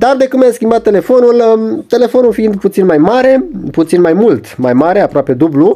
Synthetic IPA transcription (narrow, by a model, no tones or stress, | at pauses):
d̪ard̪e̞kumeskʲimbat̪̚ːe̞le̞fo̞nult̪e̞le̞fo̞nulfiind̪put̪sinmajmaɾe̞put̪sinmajmult̪majmaɾeapɾoape̞d̪ublu